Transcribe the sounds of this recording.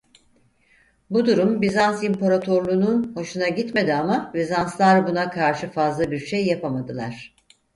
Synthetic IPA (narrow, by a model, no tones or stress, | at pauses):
bud̪uɾumbizansimpaɾat̪ʰo̞ɾlˠuːnunho̞ʃunaɟit̪me̞d̪iamavizanslˠaɾbunakʰaɾʃɯfazlˠabiɾʃejːapamad̪ɯlˠa̰ɾ̥